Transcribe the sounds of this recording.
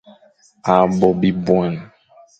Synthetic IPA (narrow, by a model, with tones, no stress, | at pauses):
a˨bɔ˨bi˨bwa˨n˨